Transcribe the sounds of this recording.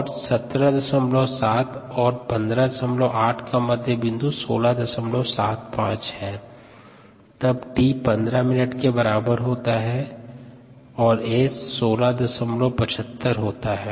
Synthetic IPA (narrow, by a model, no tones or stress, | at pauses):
ɔːɾsɐt̪ɾəd̪ɐsəmlosaːt̪ɔːɾpɐ̃nd̪ɾad̪ɐsəmloʔaːʈʰkamɐd̪ʱjəbɪ̃nd̪usoːlad̪ɐsəmlosa̰ːt̪̚pã̰ːt͡ʃɦɛː | t̪ɐbʈiːpɐ̃nd̪ɾamɪnəʈkebɐɾaːbəɾɦoːt̪aɦɛ | ɔːɾeːssoːlad̪ɐsəmlopɐt͡ʃʰət̪ːəɾɦoːt̪aɦɛː